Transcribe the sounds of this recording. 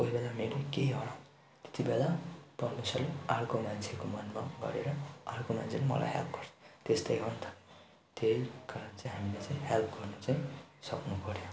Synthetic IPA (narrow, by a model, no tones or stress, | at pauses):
koɦibelameɾekeiɦʌnã | t̪e̥t̪ibelaprʌrmisʌlearkomant͡sʰekomʌnmaɡʌ̰ɾeɾʌarkoma̰nt͡sʰelemʌ̰la̰jɦḛlp̚ɡʌrt͡sʰu̥t̪est̪ʌjɦont̪ʰʌ̥ | t̪ejkʌɾʌnt͡saĩɦamilet͡saĩɦelp̚ʰɡʌrnʌt͡saj̃sʌknupʌɾjõ